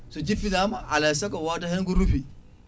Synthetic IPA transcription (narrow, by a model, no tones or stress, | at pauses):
sod͡ʒiɸidamaʔalasakowataheŋɡuɾuɸi